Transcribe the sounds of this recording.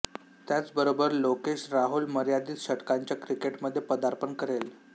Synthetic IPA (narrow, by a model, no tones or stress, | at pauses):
t̪jat͡sbəɾobəɾlokeɕɾaɦulməɾjad̪iːt͡sɕəʈkaɲt͡ɕjakɾikeʈməd̪ʱːjepəd̪aɾpənkəɾel